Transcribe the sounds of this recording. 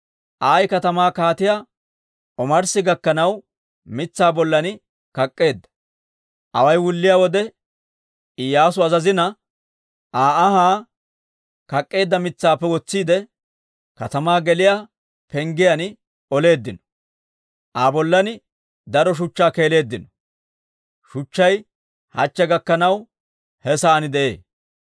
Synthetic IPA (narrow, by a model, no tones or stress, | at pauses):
ʔaːjkɐt̪ɐmaːkaːt̪ɪjaː | ʔɔmɐɾsɪɡɐkːɐnɐw | mɪt͡sːaːbɔlːɐnɪ | kɐkʼːe̞ːd̪ːɐ̥ | ʔɐ̰wɐjwʊlːɪjaːwɔd̪ɛ | ɪjaːs̬ʊɐzɐzɪnɐ | aːɐɦaː | kɐkʼːe̞ːd̪ːɐmɪt͡sːaːpːɛwɔt͡sːiːd̪ɛ | kɐt̪ɐmaːɡɛlɪjaː | pɛŋɡɪjɐn | ɔle̞ːd̪ːɪnɔ̥ | ʔaːbɔlːɐnɪ | d̪ɐɾɔʃ̬ʊt͡ʃːaːke̞ːle̞ːd̪ːɪnɔ̥ | ʃʊt͡ʃːɐj | hɐ̰t͡ʃːɛɡɐkːɐnɐw | hɛsɐːnɪd̪ɛʔḛː